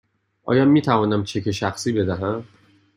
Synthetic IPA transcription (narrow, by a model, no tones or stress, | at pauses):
ʔɒ̰ːjɒːmiːt̪ʰævɒːnæmt͡ʃʰe̞cʰe̞ʃæxsiːbe̞d̪æɦæm